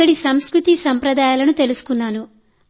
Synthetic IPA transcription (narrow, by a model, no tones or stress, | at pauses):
ɐɽisɐmskɾut̪isɐmpɾɐd̪aːjaːlɐnut̪e̞lusu̥kunːaːnu